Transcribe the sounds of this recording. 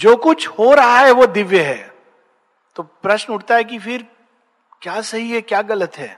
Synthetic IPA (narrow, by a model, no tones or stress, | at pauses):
d͡ʒoːkʊt͡ʃʰhoɾɐɦaɦɛʋod̪ɪʋjəɦɛ̰ː | t̪oːpɾɐʃnʊʈ̚ʰt̪aɦɛk̬ifɪɾ | kjaːsɐɦiɦɛkjaːɡɐlət̪ɦɛ̰ː